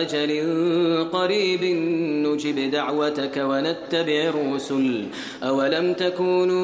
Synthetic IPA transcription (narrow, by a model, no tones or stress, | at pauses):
ad͡ʒalɪnqɑɾiːbɪnːʊd͡ʒɪbd̪aʕwat̪akawanat̪ːabɪʕɾːʊsʊl | ʔawalamt̪akuːn